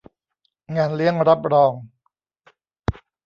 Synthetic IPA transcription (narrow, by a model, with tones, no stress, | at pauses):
ŋaː˧nli˦˥˩əŋɾa˦˥p̚ɾɔː˧ŋ